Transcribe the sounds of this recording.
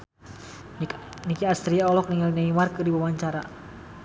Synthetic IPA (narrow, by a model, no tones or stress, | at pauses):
nikiast̪ɾiaɔlɔk̚niŋalnaimarkɨrdiwawaɲt͡ʃaɾa̰